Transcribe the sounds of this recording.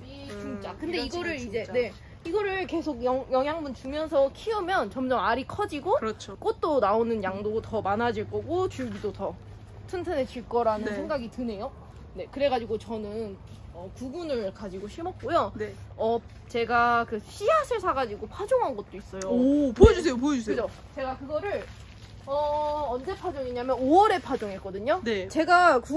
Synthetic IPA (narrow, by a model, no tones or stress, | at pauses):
t͡ɕumt͡ɕ͈akɯndeiɡʌɾɯɾid͡ʑe̞ne̞ | iɡʌɾɯɭke̞sʰoɡ̚jʌŋjʌŋjaŋbunt͡ɕumjʌnsʰʌkʰiɯmjʌnt͡ɕʌmd͡ʑʌmaɾikʰʌd͡ʑiɡot͡ɕʰk͈ot̚t͈onaonɯnjaŋdotʌmanad͡ʑiɭk͈ʌɡot͡ɕuɭɡidotʌ | tʰɯntʰɯnɦe̞d͡ʑiɭk͈ʌɾanɯnsʰe̞ŋɡaɡitɯnɦe̞jo | ne̞kɯɾe̞ɡad͡ʑiɡot͡ɕʌnɯn | ʌkuɡunɯɭkad͡ʑiɡoɕʰimʌp̚k͈ojoʌ | t͡ɕe̞ɡakɯɕʰiasʰɯɭsʰaɡad͡ʑiɡopʰad͡ʑoŋɦanɡʌt̚t͈ois͈ʌjopoʌd͡ʑus̬ʰejopoʌd͡ʑuskekɯd͡ʑʰo | t͡ɕe̞ɡakɯɡʌɾɯɭ | ʌʌnd͡ʑe̞pʰad͡ʑoŋeɲamjʌnoʌɾe̞pʰad͡ʑoŋɦe̞k͈ʌdɯɲonet͡ɕe̞ɡaku